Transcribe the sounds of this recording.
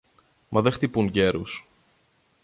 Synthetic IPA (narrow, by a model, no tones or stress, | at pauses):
mɐðext̪ipuŋɟe̞ɾṵs